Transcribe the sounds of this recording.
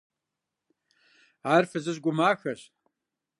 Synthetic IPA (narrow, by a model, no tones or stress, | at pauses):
aːrfɨzɨʑɡʷʊmaːxɐɕ